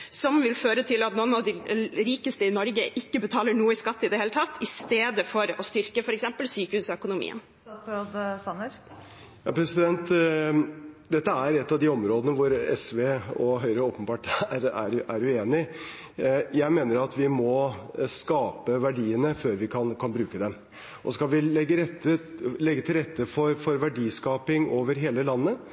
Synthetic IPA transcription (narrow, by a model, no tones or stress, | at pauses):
sɔmʋɪlføːɾət̪ʰɪlɑt̪nɔnɑʋd̪ɪɾiːkəst̪əɪnɔɾɡəʔɪkːəbət̪ʰɑːləɳuːəɪskɑt̪ːəɪd̪ɛheːlət̪ʰɑt̪ːɪst̪eːd̪əfɔɾɔst̪ʏɾkəfɔɾɛksɛmpəlsyːkəhʉːsɔœkʊnʊmḭːə̰n | sɾoːd̪sɑnəɾ | jɑːpʰɾɛsɪd̪ɛnt̪ | d̪ɛt̪ːəæɾɛt̪ːɑʋd̪ɪɔmɾoːd̪ənəʋʊɾɛsʋeːɔɦœʏɾəoːpənbɑːʈɾæ̰ɾʔæɾʉeːnɪ | jæɪmeːnəɾɑt̪ʋɪmɔskɑːpəʋæɖiːənəføːɾʋɪkʰɑnkʰɑnbɾʉːkəd̪ɛm | ʔɔskɑlʋɪɛɡːəɾɛt̪ːəlɛɡːət̪ʰɪlɾɛt̪ːəfɔɾfɔɾʋæɖiːskɑːpɪŋoːʋəɾɦeːləlɑnːə